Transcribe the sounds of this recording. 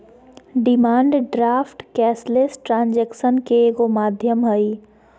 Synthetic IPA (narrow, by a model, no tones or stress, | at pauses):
ɖɪmaːɳɖɖɾaːfʈkɛːslesʈɾãːnd͡ʒɛːkʃənkeɡomaːd̪ʱjəmɦəi